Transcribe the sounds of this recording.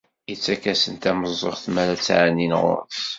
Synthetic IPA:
jət͡sːækæsənt̪æməzˤːoχθmælæt͡sːʕanːinʁʊ̰ɾθ

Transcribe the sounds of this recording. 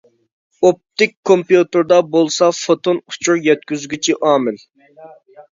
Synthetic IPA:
op̚t̪ɪk̚ʲkʰːompijut̪ɨɾd̪ɑbolˠsɑfot̪onu̥t͡ʃʰuɾjɛt̪̚kʲyzɡʲyt͡ʃʰiʔɑːmɪl

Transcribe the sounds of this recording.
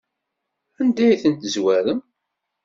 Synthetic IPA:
ænd̪æjθənt̪zwæɾəm

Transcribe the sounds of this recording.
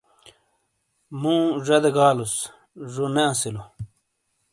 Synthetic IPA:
mũːʐɐd̪eɡaːlus | ʐoneɐ̃silo

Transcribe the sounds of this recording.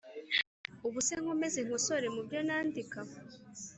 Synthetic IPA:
uβuseŋ̥ome̞zeŋ̥oso̞ɾemubjonaːndika

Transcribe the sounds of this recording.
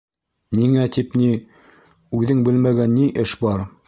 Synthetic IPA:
niŋæt̪ipni | ʉðɘŋbɘlmæɡænːiʔɘʃbɑɾ

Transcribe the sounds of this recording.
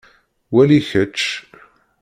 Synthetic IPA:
wæliçət͡ʃː

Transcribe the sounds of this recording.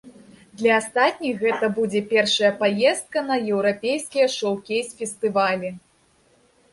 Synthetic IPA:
d̪lʲɐast̪at̪̚ʲnʲijɣɛt̪ɐbud͡zʲɛpʲɛrʂɐjɐpajɛst̪̚kɐnɐjɛwɾapʲejskʲijɐʂɔwkʲejsʲfʲɛst̪ɨvalʲi

